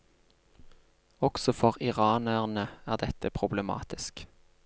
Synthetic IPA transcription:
ɔksɔfɔʁɪʁɑːnəʁnəæːʁd̪ɛt̪əpʰʁʊbləmɑ̰ːt̪ɪsk

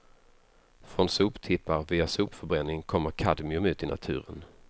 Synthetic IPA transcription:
fɾɔnsuːpt̪ʰɪpːaɾviːasuːpfœɾbɾɛnːɪŋkʰɔmːəɾkʰad̪mɪɵmʉ̟ːt̪ɪnʔa̰t̪ʰʉ̟̰ːɾən

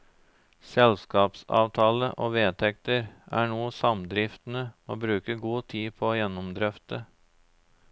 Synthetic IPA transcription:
sɛlskɑːpsɑ̰ːʋt̪ʰɑːləʔoːʋeːt̪ʰɛk̚t̪əɾʔæːɳuːsɑmd̪ɾɪft̪n̩əoːbɾʉːkəɡuːt̪ʰiːpʰɔoːjɛnʊmd̪ɾœft̪ə

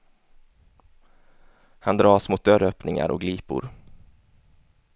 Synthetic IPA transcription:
hand̪ɾɑːsmʊt̪̚d̪œɾœːpnɪŋa̰ɾɔ̰ɡliːpʊ̰ɾ

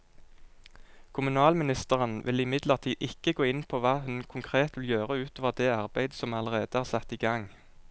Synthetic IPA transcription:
kʰʊmʉnɑːlmɪnɪst̪əʁənʋɪ̰lɪmɪd̪ləʁt̪ʰiːʔɪkəɡoːɪnpʰoːʋɑːhʉnkʰʊŋkʰʁeːt̪ʋɪljøːʁəʉːt̪oːʋəʁd̪eːɑʁbæɪd̪sɔmɑləʁeːd̪əhæːʁsæt̪iːɡɑŋ

